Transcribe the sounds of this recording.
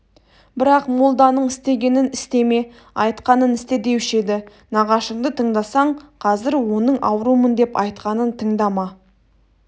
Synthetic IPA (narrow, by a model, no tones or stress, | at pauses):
bɪɾɑqmolˠd̪ɑnəɴɪst̪e̞ɡʲe̞nɪnɪst̪e̞me̞ | ɑjt̪qɑnənɪst̪e̞d̪e̞wɪʃe̞d̪ɪ | nɑʁɑʃəɴd̪ət̪ʰəɴd̪ɑsɑɴqʰɑzɪɾwo̞nəɴʔɑwɾumənd̪e̞pɑjt̪qɑnənt̪ʰəɴd̪ɑmɑ